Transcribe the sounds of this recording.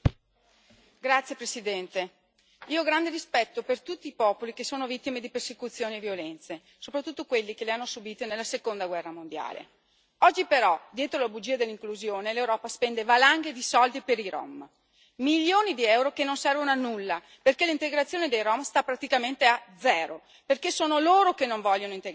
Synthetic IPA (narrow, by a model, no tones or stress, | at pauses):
ɡɾat̪sːjepɾesid̪ɛnt̪e | iːoɡɾand̪eɾispɛt̪ːopert̪ut̪ːiːpɔːpolikesːoːnovit̪ːimed̪ipersekut̪sːjoːnievjolɛnt̪se | sopɾat̪ːut̪ːokwelːikeleanːosubiːt̪enelːasekond̪aɡwɛrːamond̪ja̰ːlḛ | ɔd͡ʒːipeɾɔd̪jɛːt̪ɾolabud͡ʒiad̪elːiŋkluzjoːnelewɾɔːpaspɛnd̪evalaŋɡed̪isɔld̪ipeɾiɾo̰m | miljoːnid̪iɛwɾokenːonsɛrvonoanːulːa | perkelint̪eɡɾat̪sːjoːned̪ejromst̪apːɾat̪ikament̪ead̪zɛːɾo | perkesoːnoloːɾokenːoɱvɔʎːonoint̪e